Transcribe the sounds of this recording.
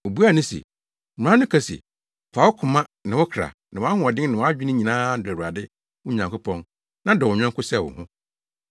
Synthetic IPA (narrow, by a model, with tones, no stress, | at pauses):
o˨bu˦a˦˨nʊ̃˦sɛ̰̃˨ | ã˦nʊ̃˦kʰa˦sɛ̰˨ | fa˨wʊ˦kʰʊ˨mã˦nã˨wɔ˦kʰɾa̰˨nã˨˦a˦ɦʊ̃˦ɔ˨dɪ̃˦ŋ˦nɪ̃˨wɔ˨˦a˦d͡ʑᶣɪ˦nʊ̃˦ɲĩ˨nãː˦dʊ˨wu˨a˨dɪ˦ | ʊ˦ɲã˨ŋkʊ˦pʰɔ̃˦n | nã˦dɔ˨wɔ̃˨ɲᶣã˦kʊ˦sɛ˦˨wʊ̰˨hʊ̃˦